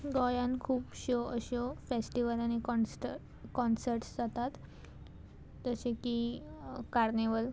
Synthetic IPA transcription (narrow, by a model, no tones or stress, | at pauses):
ɡɔjankʰuːpɕɔəɕɔfesʈiʋəlanekɔ | kɔnsəɾʈsd͡zat̪at̪ | əsẽki | kaɾneʋəl